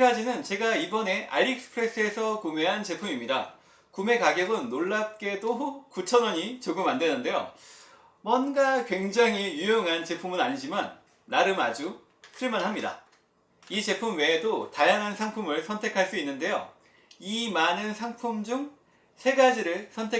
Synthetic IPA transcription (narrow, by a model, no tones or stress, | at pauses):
ɡad͡ʑinɯnt͡ɕe̞ɡaibʌne̞ʔa̰ʎik̚sɯ̥pʰɯɾe̞s͈ɯe̞sʰʌkume̞ɦant͡ɕe̞pʰumimɲida | kume̞kaɡjʌɡɯnːoɭːap̚k͈e̞dokut͡ɕʰʌnʌɲit͡ɕoɡɯmandwe̞nɯnde̞jo̰ | mwʌnɡakwe̞ŋd͡ʑaŋijujʌŋɦant͡ɕe̞pʰumɯnaɲid͡ʑimanː | aɾɯmad͡ʑu | kʰɯɭmanɦamɲida̰ | it͡ɕe̞pʰumwe̞dotajaŋɦansʰaŋpʰumɯɭsʰʌntʰe̞kʰaɭs͈uinːɯnde̞jo̰ | imanɯnsʰaŋpʰumd͡ʑuŋ | sʰe̞ɡad͡ʑiɾɯɭsʰʌntʰe